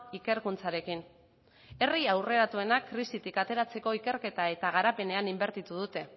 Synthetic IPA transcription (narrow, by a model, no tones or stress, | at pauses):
ike̞ɾkunt͡saɾe̞kin | e̞riawre̞ɾat̪ue̞nakːɾisit̪ikat̪e̞ɾat͡se̞ko̞ike̞ɾke̞t̪ae̞t̪aɣ̞aɾape̞ne̞animbe̞ɾt̪it̪uð̞ut̪e̞